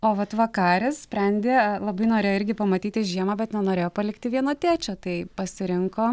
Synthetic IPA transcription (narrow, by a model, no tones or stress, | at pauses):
oːʋɐt̪ʋɐkɑːɾʲɪssʲpʲɾʲɛnʲd̪ʲeːlˠɐbɐɪnoːɾʲeːjoɪɾʲɡʲɪpɐmɐt̪ʲiːt̪ʲɪʒʲiɛmɐːbʲɛt̪nʲɛnoːɾʲeːjoːpɐlʲɪkt̪ʲɪʋʲiɛnoːt̪ʲæːt͡ʃʲoːt̪ɐɪpɐsʲɪɾʲɪŋkoː